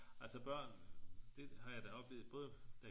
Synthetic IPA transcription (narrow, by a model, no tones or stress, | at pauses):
æl̰sɒb̥ɶɐ̰nd̥e̝hɑ̈jɑ̈ɪd̥æɒ̽b̥le̝ːð̩ˠb̥ɔ̽ːð̩ˠd̥æ